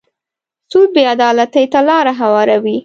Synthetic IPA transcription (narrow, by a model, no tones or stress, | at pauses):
sud̪̚bead̪ɑlat̪əjt̪alɑɾaɦawɑɾawi